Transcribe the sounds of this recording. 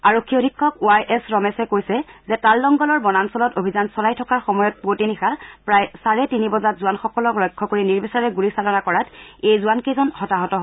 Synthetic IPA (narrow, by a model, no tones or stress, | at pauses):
aɹokʰːiodʱikʰːɔkuajʔɛsɹɔmɛsɛkojsɛzɛtalːɔŋɡɔlɔɹbɔnansɔlɔtobʱizansɔlajtʰɔkaɹxɔmɔjɔt̚potinixapɹajsaɹɛtinibɔzatzuanxɔkɔlɔklɔjkʰːɔkoɹiniɹbɛsaɹɛɡuɹisalɔnakɔɹatejzuankezɔnxɔtaɦɔtɔɦo